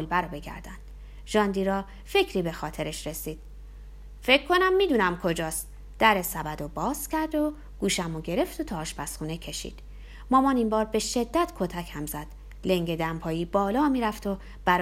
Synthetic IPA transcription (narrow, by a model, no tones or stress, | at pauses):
lbæɾobe̞ɡæ̰ɾd̪ænd̪̥ | ʒ̥ɒːnd̪iɾɒː | fe̞cʰɾiːbe̞xɒːt̪ʰe̞ɾeʃɾe̞siːd̪̥ | fe̞cʰkʰːo̞næmːiːd̪uːnæmkʰo̞d͡ʒɒːst̪ | d̪̥æɾesæbæd̪obɒːzcʰʲæɾd̪o̞ | ɡ̥uːʃæmoɟe̞ɾe̞ft̪ot̪ʰɒːʔːʃpæsxuːnecʰe̞ʃḭːd̪̥ | mɒːmɒːnimbɒːɾbe̞ʃe̞d̪ːæt̪ʰkʰot̪ʰæchæmzæd̪̥ | le̞ŋɟe̞d̪æmpʰɒːjiːbɒːlɒːmiːɾæft̪o | b̥æɾ